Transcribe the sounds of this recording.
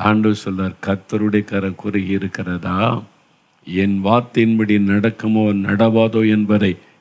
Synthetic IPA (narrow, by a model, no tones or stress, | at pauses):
aɳɖɯsɔlːaːɾkɐt̪ːɐɾɯɽɐjɐkɐɾɐkʊrɐɣɪɪɾɯkːɪrɐðaː | ɛnʋaːɾt̪ːɪnbɐɽinɐɽɐkːɐmoːnɐɽɐʋaːðoːɛnbɐðɐɪ